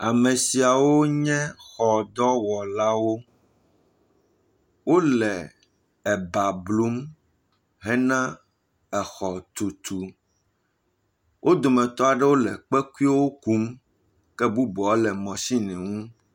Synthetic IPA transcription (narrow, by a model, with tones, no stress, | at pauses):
a˨mẽ˨si˨a˨wo˦ɲɛ̃˦xɔ˨d̪ɔ˦wɔ˨la˦wo˦ | wo˦lɛ˨ | ɛ˨ba˨blu˦m | ɦɛ˦nã˦ | ɛ˨xɔ˨t̪u˨t̪u˨ | wʔo˦d̪o˨mɛ̃˨t̪ɔ˦a˨ɖɛ˦wo˦lɛ̰˨k͡pɛ˦ku˦i˦wo˦ku˦m | kɛ˦bu˦bɔ˨˦lɛ˨mɔ̃˨si˦nɛ̃˨ŋũ˦